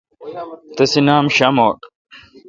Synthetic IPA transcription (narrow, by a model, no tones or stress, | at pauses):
t̪ɐsinaːmɕɐmoːʈ